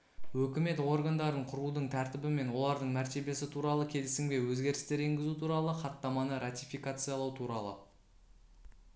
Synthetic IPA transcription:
wɵkʲɪme̞t̪wo̞ɾɡand̪ɑɾəɴqʰʊɾud̪əɴt̪ʰæɾt̪ɪbɪme̞nwo̞lˠɑɾd̪əɴmæɾt̪e̞be̞sɪt̪ʰuɾɑlˠəkʲʰe̞lɪsɪŋbʲe̞jwɵzɡʲe̞ɾɪst̪e̞ɾe̞ŋɡʲɪzut̪ʰuɾɑlˠəχɑt̪ːɑmɑnəɾat̪ʲijfijkat̪sɨjɑlˠɑwt̪ʰuɾɑlˠə

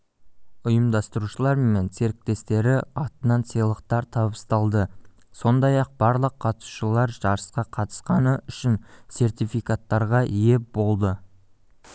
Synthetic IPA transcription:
ʊjəmd̪ɑst̪əɾuʃəlˠɑɾme̞nse̞ɾk̚t̪e̞st̪e̞ɾɪɑt̪ənɑnsijlˠəqt̪ɑɾt̪ʰɑbəst̪ɑlˠd̪ə | so̞nd̪ɑjɑq̚b̥ɑɾlˠəqʰːɑt̪su̥ʃəlˠɑɾʒɑɾəsqɑqʰɑt̪ə̥sqɑnəʏʃɪnse̞rt̪ijfijkat̪ːɑɾʁɑʔije̞bo̞lˠd̪ə

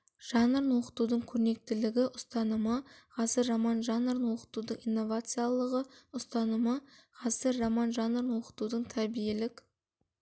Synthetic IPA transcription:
ʒ̥ɑnəɾnwo̞qə̥t̪ud̪əɴkʲʰɵɾne̞k̚t̪ɪlɪɡʲɪʔʊst̪ɑnəməqʰɑzəɾːamɑnʒɑnəɾnwo̞qə̥t̪ud̪əɴijnːo̞vat̪sɨjalˠəʁəʊst̪ɑnəməqʰɑzəɾːamɑnʒɑnəɾnwo̞qə̥t̪ud̪əɴt̪ʰæbijelɪk

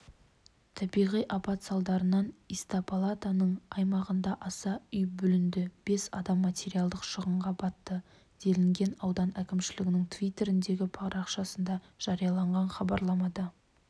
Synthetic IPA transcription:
t̪ʰɑbijʁijʔɑpɑt̪sɑlˠd̪ɑɾənɑnist̪ɑpʰolˠat̪anəɴɑjmɑʁənd̪ɑʔɑsɑʏjbʏlɪnd̪ɪb̥e̞sɑ̰d̪ɑmːat̪ʲe̞ɾijalˠd̪əqʃəʁəɴʁɑbɑt̪ːə | d̪̥e̞lɪŋɡʲe̞nɑwd̪ɑnækʲɪmʃɪlɪɡʲɪnɪŋt̪ʰvʲijt̪ːe̞ɾɪnd̪e̞ɡʲɪpʰɑɾɑqʃɑsənd̪ɑʒ̥ɑɾijɑlˠɑɴʁɑnχɑbɑɾlˠɑmɑd̪ɑ

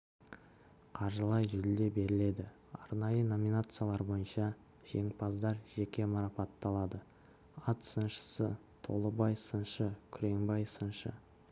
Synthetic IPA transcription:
qʰɑɾʒəlˠɑjʒʏld̪e̞be̞ɾɪle̞d̪ɪ | ɑɾnɑjəno̞minat̪sɨjalˠɑɾbo̞jənʃɑ | ʒ̥e̞ŋpɑzd̪ɑɾʒ̥e̞kʲe̞mɑɾɑpɑt̪ːɑlˠɑd̪ə | ɑt̪sənʃə̥sə | t̪ʰo̞̰lˠəbɑjsənʃəkʲʰʏɾe̞ŋbɑjsənʃə̰

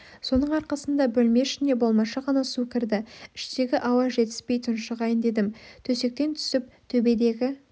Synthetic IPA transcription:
so̞nəɴɑɾqɑsənd̪ɑbɵlme̞ʃɪne̞bo̞lˠmɑʃɑʁɑnɑsukʲɪɾd̪ɪɪʃt̪e̞ɡʲɪʔɑwɑʒe̞t̪ɪ̥spe̞jt̪ʰʊnʃəʁɑjənd̪e̞d̪ɪmt̪ʰɵse̞k̚t̪e̞nt̪ʰʏ̥sɪp̚t̪ʰɵbe̞d̪e̞ɡʲɪ

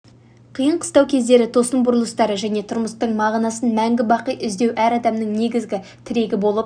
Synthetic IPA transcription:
qʰijəɴqʰə̥st̪ɑwkʲʰe̞zd̪e̞ɾɪt̪ʰo̞səmbʊɾəlˠəst̪ɑɾəʒæne̞t̪ʰʊɾməst̪əɴmɑʁnɑsənmæŋɡʲɪbɑqəjʏzd̪e̞wʔæɾɑd̪ɑmnəɴne̞ɡʲɪzɡʲɪ | t̪ʰɪɾe̞ɡʲɪbo̞lˠəp̚

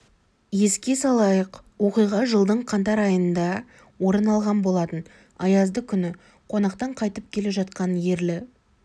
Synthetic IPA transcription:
je̞skʲe̞sɑlˠɑjəqwo̞qijʁɑʒəlˠd̪əɴqʰɑnt̪ɑɾɑjənd̪ɑ | wo̞ɾənɑlˠʁɑnbo̞lˠɑt̪ən | ɑjɑzd̪əkʲʰʏnɪ | qʰo̞nɑqt̪ɑɴqʰɑjt̪əp̚kʲʰe̞le̞ʒɑt̪̚qɑnje̞ɾlɪ

